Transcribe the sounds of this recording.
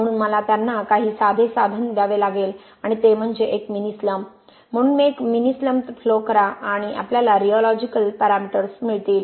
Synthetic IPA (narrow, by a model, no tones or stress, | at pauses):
m̤əɽ̃uːnməlat̪janːakaɦiːsad̪ʱesad̪ʱənd̪ʱjaʋelaɡel | aɽ̃it̪em̤əɳd͡zeʔekminisləm̤ː | əɽ̃uːnmekminisləmt̪flokəɾaʔaɽ̃iʔa̰pljalaɾiɔlɔd͡ʑikəlpəɾamiʈəɾsmiɭt̪iːl